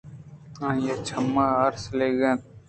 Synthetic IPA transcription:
ãːjet͡ʃʰəmːaːəɾsleːɡãː

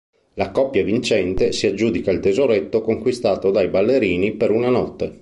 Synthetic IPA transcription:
lakɔpːjavint͡ʃɛnt̪esiad͡ʒːuːd̪ikailt̪ezoɾet̪ːokoŋkwist̪aːt̪od̪ajbalːeɾiːnipeɾunanɔt̪ːe

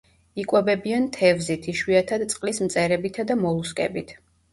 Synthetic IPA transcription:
ikʼwɛbɛbiant̪ʰɛvzit̪ʰiʃwiat̪ʰad̪t̪sʼqʼlismt̪sʼɛɾɛbit̪ʰad̪amɔlˠuskʼɛ̰bit̪ʰ

